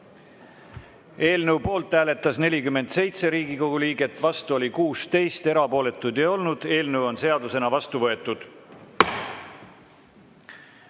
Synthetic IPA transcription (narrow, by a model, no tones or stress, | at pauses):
e̞ːlnəuwpo̞ːlt̪ːˑæːle̞t̪ːˑɑsne̞lʲikymːe̞nd̪̥se̞jt̪se̞ɾiːɡiko̞ɡ̥uliːɡe̞t̪ːˑvɑst̪uo̞lʲikuːst̪e̞jst̪e̞ɾɑpo̞ːle̞t̪ːˑud̪jɑo̞lnud̪̥e̞ːlnəwo̞nse̞ɑd̪use̞nɑvɑst̪uvɤe̞t̪ːˑud̪̥